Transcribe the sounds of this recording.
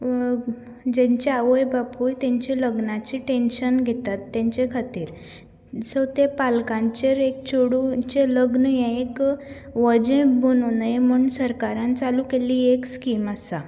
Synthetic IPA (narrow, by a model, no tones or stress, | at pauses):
d͡ʑɛ̃ɲt͡ɕeaʋəjbapujt̪ɛ̃ɲt͡ɕiləɡnat͡ɕiʈenɕənɡʱet̪at̪ːjãɲt͡ɕekʰat̪iːɾ | sət̪epalkãɲt͡ɕeɾek̚t͡ɕʰoɽut͡ɕeləɡnəjɛ̃ek | ʋəd͡ʑẽbʱənunaem̤uɳsəɾkaɾãnt͡saluːkeliekskiːmasa